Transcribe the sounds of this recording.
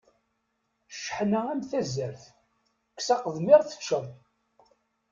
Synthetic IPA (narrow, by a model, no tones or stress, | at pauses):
ʃħnææmθæzːəɾθ | kːsɑqəðˤmiɾθə̥t͡ʃːəm